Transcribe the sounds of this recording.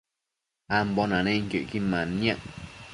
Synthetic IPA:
ambɔnãnẽŋ̩kjoʔkimãnãʔ

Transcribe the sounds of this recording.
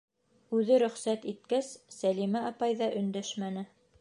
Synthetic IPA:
ʉðɘɾɵ̆χsæt̪it̪̚kæsːælimæɑpɑjðɑʔɵ̆nd̪æʃmænɘ

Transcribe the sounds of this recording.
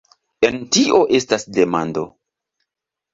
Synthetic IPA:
e̞ntiʔo̞ʔe̞stasde̞mando̞

